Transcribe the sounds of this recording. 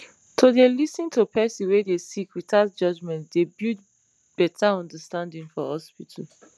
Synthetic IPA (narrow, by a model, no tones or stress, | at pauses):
tʰodelisĩntʰopʰɛsĩwedesikwitatd͡ʒɔd͡ʒmɛ̃ntdebid̚ | b̥ɛtʰaɔ̃ndəstãndĩŋfɔhɔspitʰəl